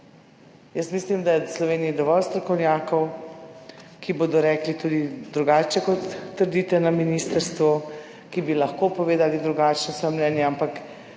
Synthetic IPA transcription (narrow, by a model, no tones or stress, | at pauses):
jəsmislimd̪ajɛslɔʋeːniid̪ɔʋɔlst̪ɾɔkɔwnjaːkɔw | kiboːd̪ɔɾɛːklit̪ud̪id̪ɾuɡaːt͡ʃɛkɔt̪ːəɾd̪it̪ɛnaminiːst̪əɾst̪ʋɔ | kibilɐxkoːpɔʋeːd̪alid̪ɾuɡaːt͡ʃnɔsɔjɛmnɛːnjɛampak